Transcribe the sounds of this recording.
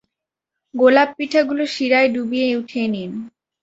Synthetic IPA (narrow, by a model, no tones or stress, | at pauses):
ɡolab̚piʈʰaɡuloʃiɾaeɖubieuʈʰenin